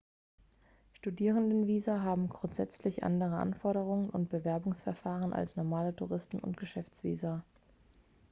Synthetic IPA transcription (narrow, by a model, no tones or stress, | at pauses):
ʃtudiːʁ̞əndənviːzɐɦaːbm̩ɡʁʊntz̥ɛt͡slɪçʔa̰ndəʁ̞əʔa̰nfɔɐɾəʁ̞ʊŋənʊnt̚b̥əvɛɐbʊŋsfɛɐfaːʁənʔa̰lsnɔɐmaːlətʰuʁɪstn̩ʊ̰ntɡ̥əʃɛft͡sv̥ḭːza